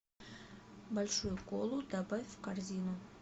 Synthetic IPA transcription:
balʲʂujʊkolˠud̪abavʲvkarzʲinu

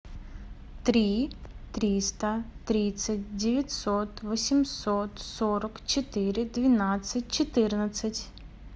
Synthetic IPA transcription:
t̪ɾʲit̪ɾʲist̪ɐt̪ɾʲisʲɐtʲdʲɪʋʲjɐtʲsɔt̪ʋɔsʲimsɔt̪sɔɾɐkt͡ʃɪt̪ɪɾɪd̪ʋʲinasʲɐt̚ʲt͡ʃɪt̪ɪrnɐsʲɐtʲ

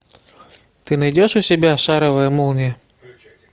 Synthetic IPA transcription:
t̪ɨnɐjdʲɔʃʊsʲɪbʲaʃaɾɐvɐjɐmulˠnʲɛ

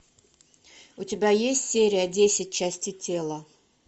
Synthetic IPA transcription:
ʊtʲɪbʲajesʲtʲsʲeɾʲɪjədʲesʲɪt̚ʲt͡ɕæsʲtʲɪtʲelˠə

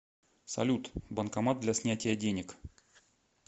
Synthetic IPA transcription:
sɐ̰lʲut̪bənkɐmat̪̚d̪lʲɐsʲnʲætʲɪjədʲenʲɪk

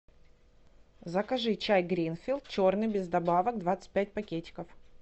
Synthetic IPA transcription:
zəkɐʐɨt͡ɕajɡɾʲinfʲɪlˠt̪̚t͡ɕornɨjbʲɪzd̪ɐbavək̚d̪vat̪sɨ̥t̚ʲpʲæt̚ʲpɐkʲetʲɪ̥kəf

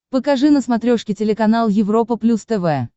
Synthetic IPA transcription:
pəkɐʐɨnəsmɐt̪ɾʲoʂkʲɪtʲɪlʲɪkɐnalˠjɪvɾo̞pəplʲust̪ɛvɛ

